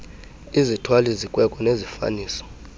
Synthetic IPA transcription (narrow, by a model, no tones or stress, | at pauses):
izitʰwalizikʼwɛkʼɔnezifa̰niːsɔ̥